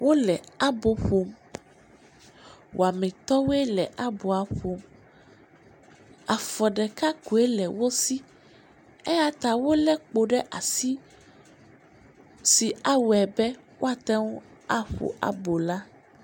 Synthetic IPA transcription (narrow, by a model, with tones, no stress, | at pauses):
wo˦lɛ˨a˦bo˨ɸo˨˦m | wʔo˨a˨mɛ̃˨t̪ɔ˦we˦lɛ˨ʔa˦bo˨a˨ɸo˨m | a˨fɔ˨ɖɛ˨ka˦ku˨e˦lɛ˨wo˦si˦ | ɛ˦a˦t̪a˨wo˦lɛ˦k͡po˨ɖɛ˦ʔa˨si˦ | si˨a˦wɛ˨bɛ˦ | wʔo˦a˨t̪a˦wu˦a˦ɸo̰˨ʔa̰˨bo˨la˦